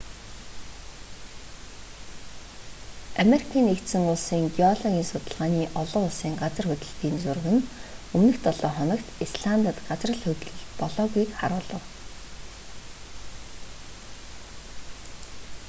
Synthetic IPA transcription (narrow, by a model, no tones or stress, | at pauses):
ameɾikʰiːnekt̪sɘ̆ŋʊɮsiːŋɡiɔɮɔɣʲiːnsʊt̪ə̆ɮʁaːniːʔɔɮʊːʊɮsiːŋɢat͡sə̆rxʊt̪ʲɵ̆ɬt̪iːnt͡surɣɘ̆nɵmnɘ̆xt̪ɔɮɔːχɔnɞ̆kt̪isɮant̪ə̆t̪ɢat͡srə̆ɮxʊt̪ʲɮɵ̆ɮpɔɮɔːɣujkχa̰ɾʊːɮə̆w